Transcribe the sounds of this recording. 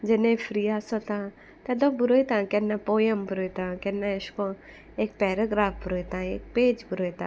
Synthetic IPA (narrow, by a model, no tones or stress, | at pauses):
d͡ʒenẽfʰɾiːaːsot̪ã | t̪ɛd̪õbʊɾoit̪ãːkɛnːapoːjɐmbʊɾoit̪ãːkɛnːaɪskõ | eːk̚pɛːɾɐɡɾaːfbʊɾoit̪ãːḛːk̚peːd͡ʒbʊɾojt̪ã̰ː